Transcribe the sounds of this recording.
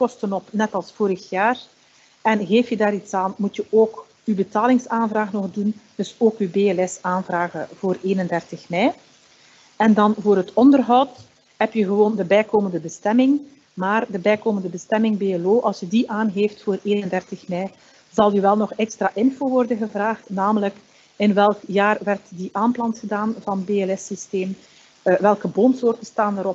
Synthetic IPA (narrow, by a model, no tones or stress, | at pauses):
kɔstənɔpnɛtɑlˠsfoːɾəxjaːr | ɛnɣeːftjədaːɾitsaːnmutjəʔoːk | ybətaːlɪŋsaːnvraːɣnɔxdund̥ɵsoːkybeəlɛsaːnvraːɣəv̥oːreːnəndɛrtəxmɛj | ɛndɑnvoːrɦətɔndərɦɔwt | ɦɛpjəɣəʋoːndəbɛjkoːməndəbəstɛmɪŋ | maːrdəbɛjkoːməndəbəstɛmɪŋbeːəloːʔɑlˠsjədiʔaːnɣeːftfoːreːnəndɛrtəxmɛj | zɑlˠyʋɛlˠnɔxɛkstraːʔɪnfoːʋɔrdəɣəvraːxtnaːmələk | ɪnʋɛlˠkjaːrʋɛrtdiʔaːmplɑntxədaːnvɑnəbeːɛlɛsisteːm | ʋɛlˠkəboːntsoːrtəstaːnəɾɔp̚